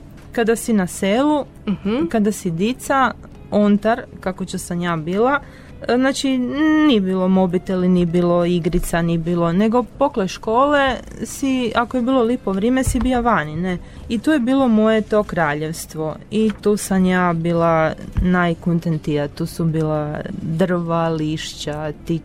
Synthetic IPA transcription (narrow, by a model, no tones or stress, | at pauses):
kad̪asinaseːlu | kad̪asid̪it̪sa | ont̪aɾkakot͡ɕusamjaːbiːlˠa | znaːt͡ʃinijebiːlˠo̞mo̞bit̪eilinibiːlˠoiɡɾit̪sanibiːlˠo̞ne̞ɡo̞po̞kleʃkoːle | siakojebiːlˠo̞lipoʋɾjemesibioʋanine | it̪uːjebiːlˠo̞mo̞jet̪o̞kɾaːʎeʋst̪ʋo̞it̪uːsamjaːbiːlanajkunt̪ent̪ijat̪uːsubiːlad̪r̩ʋaliʃt͡ɕat̪i